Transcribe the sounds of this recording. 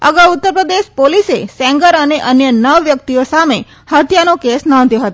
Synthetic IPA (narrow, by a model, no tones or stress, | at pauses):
ə̰ɡawʊt̪ːəɾpɾəd̪eʃpolisesɛ̃ŋɡəɾəneʔənjənəʋːjək̚t̪ijosame | hət̪ʰjanokesnɔ̃nd̪ʱjoɦət̪o